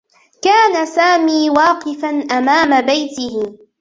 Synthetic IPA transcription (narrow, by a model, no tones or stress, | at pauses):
kaːnasaːmiːwɑːqɨfanʔamaːmabajt̪ɪhɪ